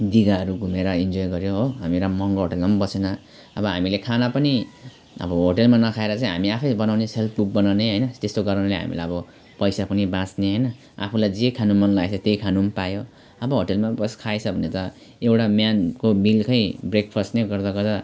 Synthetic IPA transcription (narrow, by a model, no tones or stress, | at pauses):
d̪iɡaʌɾuɡʱumeɾʌind͡zojɡʌɾjoɦoɦamieɾamʌŋɡoɦoʈelmʌmbʌsena | ʌbʌɦamilekʰanapʌni | ʌ̰bʌɦoʈelmanʌkʰaeɾʌt͡saĩɦa̰miapʰʌjbʌnawneselp̚ʰbuk̚bʌnawneɦʌjnʌt̪est̪oɡʌɾʌnlejɦa̰mḭlajʌbʌ | pʌjsapʌnibãt͡sneɦʌjnʌ | a̰pʰulajd͡zekʰanumːʌnlaesʰʌt̪ejkʰanumpajo | ʌbʌɦoʈelmabʌskʰaet͡sʰʌbʱʌnet̪ʌ | ewʈamjankomilkʌjbrekpʰʌsʈneɡʌrd̪aɡʌd̪a